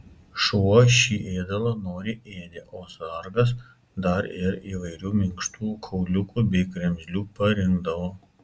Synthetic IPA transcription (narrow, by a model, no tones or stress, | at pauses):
ʃuʃʲiːʔeːd̪ɐlˠɐnoːɾʲɪʔeːd̪ʲɪʔoːsɐɾɡɐs | d̪ɐɾɪɾiːʋɐɪɾʲuːmʲɪŋkʃt̪uːkʰɐʊlʲʊkuːbʲɛɪkɾʲɛmʲzʲlʲuːpɐɾʲɪŋɡd̪ɐʋoː